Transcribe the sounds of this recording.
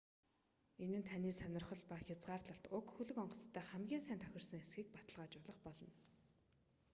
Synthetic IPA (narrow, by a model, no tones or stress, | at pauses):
enɘ̆nt̪ʰaniːsanʲɪ̆rχɞ̆ɮpaxʲat͡sɢaːrt̪ɮə̆ɬt̪ʊkxuɮɘ̆kɔɴɢɞ̆t͡st̪ʰːæːχæmɡʲiːnsæːnt̪ʰœxʲɪ̆r̥sɞ̆ŋesɡiːk̚pat̪ə̆ɮʁaːt͡ɕʊɮə̆χpɔɮɞ̆n